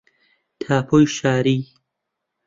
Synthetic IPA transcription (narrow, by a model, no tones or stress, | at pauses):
t̪ʰaːpʰoːjʃaːɾiː